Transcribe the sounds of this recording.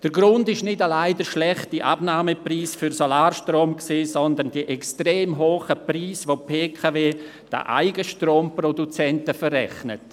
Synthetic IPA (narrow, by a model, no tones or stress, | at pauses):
d̥əɾɡɾʊndɪʃnɪdalaɪdəʃlɛχtiʔa̰b̥naːməpriːsfʏɾsolaːɾʃtroːmksiːsɔndəndiəʔɛkstreːmɦoːχəpriːsʋopʰeːkʰaveː | d̥a̰ʔa̰ɪɡəʃtroːmprɔdut͡sɛntəfərɛ̰χnət